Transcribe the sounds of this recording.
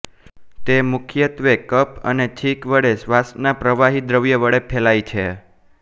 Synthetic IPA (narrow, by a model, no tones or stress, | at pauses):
t̪emʊkʰjət̪ʋekəpə̰net͡ʃʰikʋəɽesʋasnapɾəʋaɦid̪ɾəʋjəʋəɽepʰelajt͡ʃʰe